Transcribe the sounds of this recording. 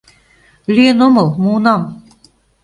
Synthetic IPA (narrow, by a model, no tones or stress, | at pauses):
lʲienomɤ̆lˠmuːnɑm